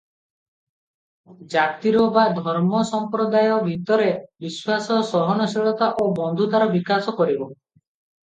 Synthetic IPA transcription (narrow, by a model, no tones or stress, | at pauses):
d͡ʒat̪iɾɔbad̪ʱɔɾmɔsɔmpɾɔd̪ajɔbʱit̪ɔɾebiswasɔsɔɦɔnɔsiɭɔt̪aʔobɔnd̪ʱut̪aɾɔbikasɔkɔɾibɔ